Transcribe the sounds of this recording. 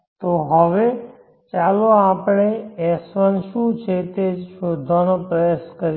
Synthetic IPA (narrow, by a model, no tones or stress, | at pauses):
t̪oɦəʋe | t͡ʃaːloãːpɳeɛsʋənʃũt͡ʃʰet̪ed͡ʒʃoːd̪ʱːanopɾəjaskəɾ